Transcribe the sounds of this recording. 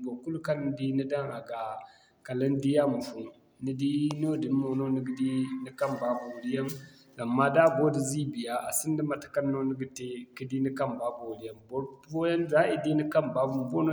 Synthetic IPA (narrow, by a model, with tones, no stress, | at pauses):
bo˨ku˦lka˦n˦di˦ni˦da˦ŋa˨ɡa˨ | ka˨la˦n˦di˦ja˦mu˨fu˨ | ni˦di˦no˦di˨˦mo˨no˦ni˦ɡi˦di˦ni˦ka˦mba˨˦bo˨li˦ja˦n | a˨mːa˦da˦˨bo˦di˨zi˦bi˨ja˨˦ʔa̰˨si˦n˦di˦ma˨tḁ˨ka˦nːo˦ni˦ɡi˦te˦ki˦di˦ni˦ka˦˨mba˨bo˨ɾi˦ja˦mbo˦bo˦ja˦nza˦ʔi˨di˦ni˦ka˦mba˦u˨mbo˦no˦